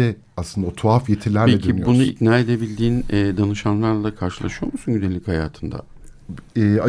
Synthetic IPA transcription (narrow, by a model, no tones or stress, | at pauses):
ɛ | aslɯnd̪aot̪ʰoafjet̪ʰilʲːæɾpecʰibunuit̪naːe̞d̪e̞bilʲd̪iːnɛːd̪anɯʃanlˠaɾlˠaakʰaɾʃɯlˠa̰ʃɯjo̞̰lmusunɟynd̪elʲːichajaːt̪ʰɯnd̪a̰ | ɛa